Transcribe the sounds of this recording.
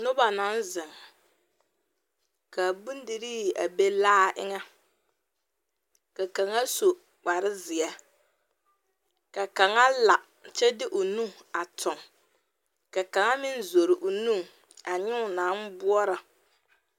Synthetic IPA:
nʊ˦ba˨na˨˦n˦zɪ˨ŋ˨ | ka˨bu˦n˦di˨ɾi˦˨ʔa̰˨be˦laː˦ʔɪ̰˦ŋɛ˦ | ka˨ka˨ŋa˦so˨ | k͡pa˨ɾɪ˦zɪ˨ɛ˨ | ka˨ka˨ŋa˦la˨ | t͡ʃɛ˦dɪ˦ʔʊ˨nu˦ŋa˨tʰʊ˨ŋ | ka˨ka˨ŋa˦mɪ˦n˦zo˨ɾɪ˨ʔʊ˨nũ˦ŋ | a˨ɲɪ˦ʊ˨na˨˦n˦bʊ˦ɔ˦ɾa˨

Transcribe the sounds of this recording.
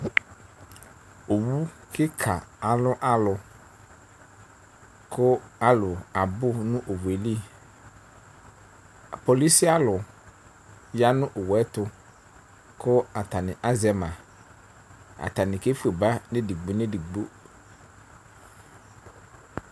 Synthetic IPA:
o˨wu˦kʰɪ˦kʰa˨a˨lʊ˦ʔa˨lʊ˨ | kʰʊ˦a˦lʊ˨a˨bʊ˦nʊ̃˦ʔo˨we˨li˦˨ | po˨li˦si˦a˦lʊ˨ | ja˦nʊ̃˦ʔʊ˨wɛ˦tʊ˦ | kʰʊ˦a˨ta˨nɪ̃˨ʔa˦zɛ˦mã˨ | a̰˨ta˨nɪ̃˨ke˦fu˦˨e˨ba˦nẽ˦di˨ɡ͡bo˨ne˦di˨ɡ͡bo˦

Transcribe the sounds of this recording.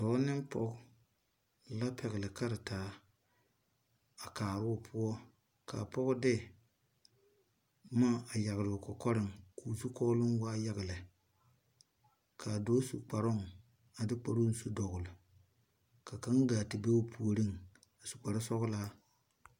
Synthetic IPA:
tɔ˨˦nɪ˦mpɔ̰˦ɡ | la˦pʰɛ˨ɣɪ˨lɪ˨ka˦ɾɪ˨taː˨˦ | a˨kaː˨ɾɪ˦ʊ˨pʰʊ˦ɔ˦ | ka̰˨pɔ˦ɡdɪ˦ | maː˦˨a˨ja˨ɣlʊ˨kɔ˨kɔ˦ɾɪ˦ŋkʰuː˨su˦kɔ˦lʊ˦ŋwaː˦ja˨ɣɪ˨lɪ˨ | kʰa˨doː˦su˨k͡pa˨ɾʊ˦ŋ | a˨dɪ˦k͡pa˨ɾu˦n̩˦su˦dɔ˨ɣʊ˨lɪ˨ | ka˨ka˦ŋɡaː˨tɪ˨be˦ʊ˦pʰu˨o˦ɾi˦ŋ | a˨su̥˨k͡pa˨ɾɪ˦sɔ˦ɡla˦

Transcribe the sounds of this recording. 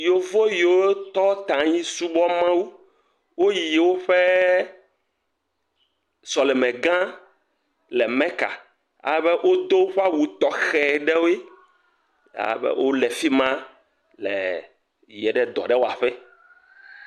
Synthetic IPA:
jo˨vo˦jwoo˦t̪ɔ˦t̪ã˨ɲĩ˦su˦bɔ˦mã˦wu˦ | wo˦ji˨wo˦ɸɛ˦ | sɔ˨lɛ˨mɛ̃˨ɡã˦ | lɛ˨mɛ̃˦ka̰˨ | a̰˦bɛ˦ʔo˦d̪o˦wo˦ɸa˦wu˨t̪ɔ˦xɛ˨ɖɛ˦wo˦e˦ | a̰˨bɛ̰˦wʔo˦lɛ˨fi˦mã˦ | lɛ̰˨ | jɛ˨ɖɛ˨d̪ɔ̰˨ɖɛ˦wo˦a˨ɸɛ˦

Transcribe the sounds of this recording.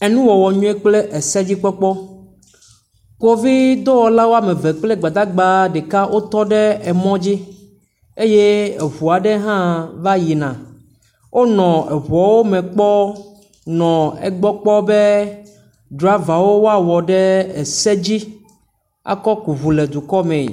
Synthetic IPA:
ɛ˨nũ˦wɔ˨wɔ˨ɲũ˦e˦k͡ple˦ʔe˨sɛ˦d͡ʑi˦k͡pɔ˦k͡pɔ˦ | ko˦vi˦d̪o˦wɔ˨la˦wo˦a˦mẽ˨ve˨k͡ple˦ɡ͡ba˨d̪a˦ɡ͡ba˦ɖɛ˨ka˦wʔo˦t̪ɔ˦ɖɛ˦ɛ˨mɔ̃˦d͡ʑi˦ | e˦je˦e˨βu˨a˨ɖe˦ɦã˦va˦ji˨nã˨ | wʔo˦nɔ̃˨ɛ˨βɔ˨˦wo˦mɛ̃˨k͡pɔ˦ | nɔ̃˨ɛ̰˦ɡ͡bɔ˦k͡pɔ˦be˦ | d̪ɾɔ˨a˦va˨wo˦wo˦a˦wɔ˨ɖɛ˦e˨sɛ˦d͡ʑi˦ | a̰˨kɔ˦ku˨vu˨le˨d̪u˨kɔ˦mɛ̰̃˨

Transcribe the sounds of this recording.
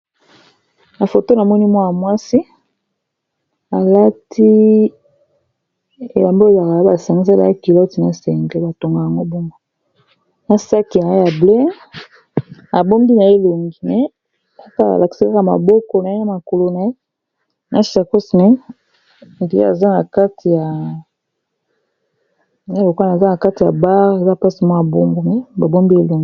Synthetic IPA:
na˨fo˨to˦na˨mɔ˦ni˦mwa˦ja˨mwa˦si˦ | a˨la˦tʰi˦ | e˨la˨mbo˦e˨za˨ka˨˦ba˨sa˨ŋɡi˦sa˦la˨˦ki˨lɔ˦ti˨na˨sɛ˨ŋɡe˦ba˨to˨ŋɡa˨ja˨ŋɡo˦bɔ˦ŋɡo˦ | na˨sa˦ki˨a˨˦ja˨ble˦ | a˨bo˦mbi˦na˨e˦lo˨ŋɡi˨mɛ˨˦ | a˨˦ka˦a̰˨la˨ki̥˨sa˦ka˦ka˦ma̰˨bo˦kɔ˦na˨e˦a˨ma˨ko˨lo˨na˨e˦ | na˦a˨ko˦si˨nɛ˦ | ndi˨a̰˦a˨za˦na˨ka˦ti˨ja˨ | a˦lo˨kwa˦n˨a˨za˦na˨ka˦ti˨a˨ba˦ʁe˨za˦˨pa˦si˦mɔ˦ja˨bo˦ŋɡo˨mɛ˨ba˨bo˦mbi˦e˦lo˨ŋɡi˨˦

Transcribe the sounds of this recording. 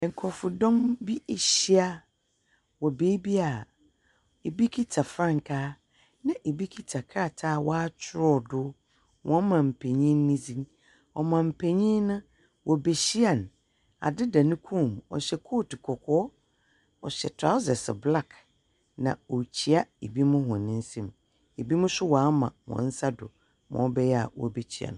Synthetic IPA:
ŋ̩˨kʰɔ˨fʊ˨dɔ̃˦mbi˦˨ɕi˦a˦ | wɔ˨beː˦bi˦a˨ | e˨bi˦kʰi˦tʰa˨fɾã˦˨ŋ̩˨kʰaː˦ | nã˨ʔe˨bi˦kʰi˦tʰa˨kʰa˦˨tʰaː˦˨wɔ˦a˦t͡ɕʰɪ˦ɾɔ˨dʊ˦ | wɔ̃˦mã˨m̩˨pʰe˨ɲĩ˦n˦nːĩ˦d͡zĩ˦ | ɔ˨mã˨m̩˨pʰe˨ɲĩ˦nʊ̃˦ | wʔɔ˨be˨ɕi˦a˨n | a̰˨dɪ˦da˨nʊ̃˦kʰũ˦˨mɔ̰˨ɕɛ˨kʰo˦˨ti˨kʰɔ˨kʰɔː˦ | ɔ˨ɕɛ˨tʰɾa˦ʊ˦sɛ˨sbla˦˨k | nã˨o˨t͡ɕʰi˨a˦e˨bi˦mʊ̃˦hʊ̃˨nɪ̃˦n̩˦sɛ̃˦m | e˨bi˦mʊ̃˦sʊ˦wa˨˦mã̰˨wɔ̰̃˨n̩˦sa˦dʊ̰˨ | mɔ̰̃˨˦bɛ˦jɛ˦a̰˨wɔ̰˨be˨t͡ɕʰi˦˨a̰˨ñ˨

